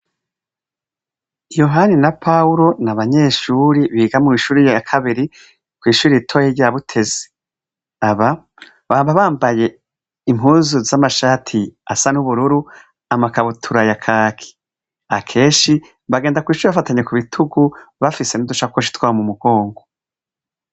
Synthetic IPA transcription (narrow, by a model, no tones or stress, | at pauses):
joɦaninapʰauɾo̞naβaɲe̞ːʃuːɾiβiːɡamuiʃuːɾijakʰaβiɾi | kwiːʃuːɾiitʰojeɟaβutʰe̞ze | aβa | βaːbaβaːmbaje̞ | imɦuːzuzamaʃaːtʰia̰sanuβuɾuɾu | amakaβutʰuɾajakʰaːkʰi̥ | akʰe̞ːnʃi | βaɡeːndakwiːʃuːɾiβafataɲe̞kuβitʰuɡuβafise̞nuduʃakwoʃi̥twaːomumuɡ̥o̞ːŋɡo